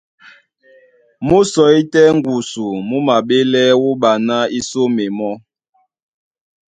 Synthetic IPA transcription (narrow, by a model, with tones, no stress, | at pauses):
mu˦sɔ˨i˦tɛ˦ŋ˦ɡu˨su˨mu˦ma˨ɓe˦lɛ˦wu˦ɓa˨na˦i˦so˦me˨mɔ˦